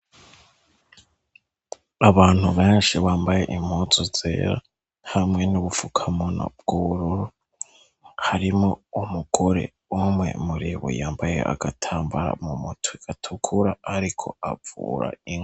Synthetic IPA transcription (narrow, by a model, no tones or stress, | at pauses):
aβaːn̥huβeːnʃiβaːmbaje̞ʔim̥hozozḛːɾa | hamŋe̞nuβufukʰamono̰b̚ɡ̥uβuɾuɾu | haɾimo̞umuɡ̥oɾe̞̰ | umŋe̞̰muɾiβṵjaːmbaje̞̰ʔa̰ɡ̥atʰaːmbaɾa̰mumutʰuiɡ̥atʰukʰuɾaaɾikʰo̞a̰vṵːɾa̰iŋ